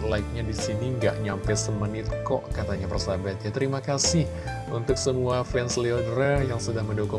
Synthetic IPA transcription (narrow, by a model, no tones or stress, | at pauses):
laik̚ɲadisiniŋɡa̰ʔɲampajsəmənɪt̪̚kɔ̰ʔkat̪aɲapərsabat̪̚jat̪əɾimakasɪh | unt̪ʊk̚səmuafɛnsliodɾajaŋsədaŋməndokʊ